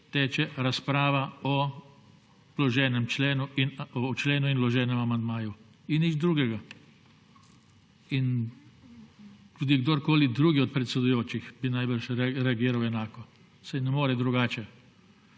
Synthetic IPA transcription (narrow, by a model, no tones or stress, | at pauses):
t̪eːt͡ʃɛɾaspɾaːʋaɔ | lɔʒɛːnɛmt͡ʃleːnuinɔt͡ʃleːnuinlɔʒɛːnɛmamand̪maːju | inːid͡ʒd̪ɾuːɡɛɡa | in | t̪uːd̪iɡd̪oɾkoːlid̪ɾuːɡiɔt̪̚pɾɛt̪sɛd̪ujoːt͡ʃixbinajbəɾʃɾɛɾɛaɡiːɾawɛnaːkɔ | sajnɛmoːɾɛd̪ɾuɡaːt͡ʃɛ